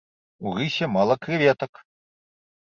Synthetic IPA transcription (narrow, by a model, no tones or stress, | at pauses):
uɣɨsʲɛmalˠɐkɾɨvʲɛt̪ɐk